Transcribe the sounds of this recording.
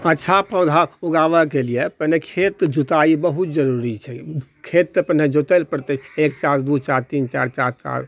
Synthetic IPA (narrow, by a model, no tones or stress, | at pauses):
ətːʃʰapəd̪ʱauɡaʋəkelijepənekʰet̪d͡ʒut̪aibəɦut̪d͡ʒəɾuɾit͡ʃʰɛkʰet̪̚ːepəned͡ʒot̪əlpəɾt̪əekt͡ʃaɾd̪ut͡ʃaɾt̪int͡ʃaɾt͡ʃa̰ɾt͡ʃa̰ɾ